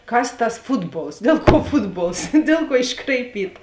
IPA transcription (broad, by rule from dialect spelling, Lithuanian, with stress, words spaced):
ˈkɐs tɐs ˈfʊdˌboːlˠs ˈdʲɛlˠ kuɔ ˈfʊdˌboːlˠs ˈdʲeːlˠ ˌkuɔ ɪʃkrɐɪˈpʲiːtɐ